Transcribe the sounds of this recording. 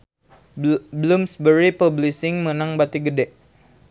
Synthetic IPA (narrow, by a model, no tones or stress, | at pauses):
bəlʊmsbəɾipəblisɪŋmənaŋbat̪iɡədɛʔ